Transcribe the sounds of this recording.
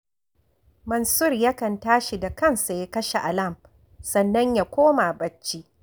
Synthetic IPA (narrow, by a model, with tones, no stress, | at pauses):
mɐ˨nsʊ˦rjɐ˦kɐ˨ntaː˦ʃi˨da˨kɐ˦˨nsa˨ja˦kɐ˦ʃe˨ʔa˨lɐ˦˨m | sɐ˨nːɐ˦ɲja˨kʷoː˦ma˨bɐ˦t͡ʃːi˦